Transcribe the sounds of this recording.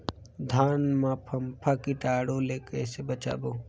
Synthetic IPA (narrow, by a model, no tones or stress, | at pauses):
d̪ʱaːnmãpʰɐmpʰakiʈaːɽoleːkɛːsebət͡ʃa̰ːboː